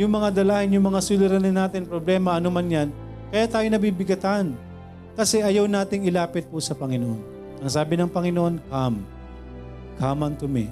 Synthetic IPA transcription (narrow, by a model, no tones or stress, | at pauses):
jʊŋmɐŋad̪ɐlaːhɪnjʊŋmɐŋasulɪɾɐnɪnːaːt̪ɪnpɾoblɛːmɐʔɐnomanjan | kɐjaːt̪aːjonɐbibɪɡɐt̪an | kɐsɛʔɐjawnaːt̪ɪŋɪlaːpɪt̪̚pʊsɐpɐŋɪnoʔon | ʔɐŋsaːbɪnɐŋpɐŋɪnoʔonkam | kamɐnt̪ʊmɛ